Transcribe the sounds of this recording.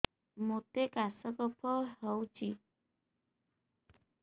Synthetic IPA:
mot̪ekasəkɔpʰɔɦəwt͡ʃi

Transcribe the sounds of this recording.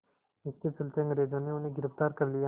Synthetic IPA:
ɪst̪it̪sʊlt̪eɐŋɡɾeːd͡ʒoːneʊnɦeɡɪɾəft̪aːɾkɐɾlija

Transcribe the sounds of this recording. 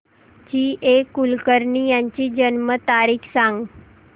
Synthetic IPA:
t͡ɕiːʔekːulkəɾɳiːjaɲt͡ɕiːd͡ʑənmət̪aɾiːkʰsãŋɡ

